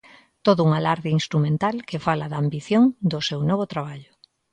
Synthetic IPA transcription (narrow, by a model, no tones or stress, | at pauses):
t̪oðʊuŋalaɾðeiŋst̪ɾumẽnt̪alkefalaðaːmbiθjoŋd̪ʊsewnɔβot̪ɾaβ̞aʎʊ